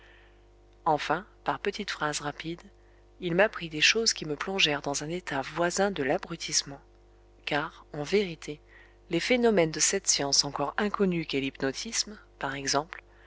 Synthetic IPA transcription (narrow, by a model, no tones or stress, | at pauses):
ɑ̃fɛ̃paʁpət̪it̪fχazʁapid̪ | ilmapχid̪eʃozkʲiməplɔ̃ʒɛʁd̪ɑ̃zɛ̃net̪ʰavwazɛ̃d̪əlabʁyt̪ʰismɑ̃ | kaːʁɑ̃veʁit̪ʰe | lefenɔmɛnd̪əsɛt̪sjɑ̃sɑ̃kɔʁɛ̃kɔnykelipnɔt̪ʰismpaʁɛɡzɑ̃pl